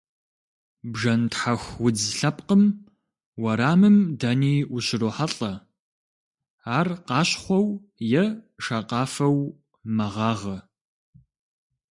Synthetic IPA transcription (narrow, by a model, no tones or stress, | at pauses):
bʒɐntħaxʷwʊd͡zɬɐp̚qəm | wɐɾaːmɨmdɐniːwʊɕɪroːħaɬʼɐ | aːrqɑːɕχʷɔwjɛʃaːqɑːfɐw | mɐʁɑːʁɐ